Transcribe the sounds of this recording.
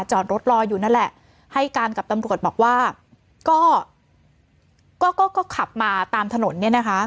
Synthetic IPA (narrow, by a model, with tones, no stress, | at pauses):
t͡ɕɔː˨˩nɾo˦˥t̪̚ɾɔː˧juː˨˩na˥˩lɛ˨˩ʔ | ha˥˩jkaː˧nka˨˩p̚t̪a˧mɾu˨˩ət̪̚bɔː˨˩k̚waː˥˩ | kɔː˥˩ | kɔː˥˩kɔː˥˩kɔː˥˩kʰa˨˩p̚maː˧t̪aː˧mt̪ʰa˧no˩˦nːi˥˩ɐna˦˥kʰa˦˥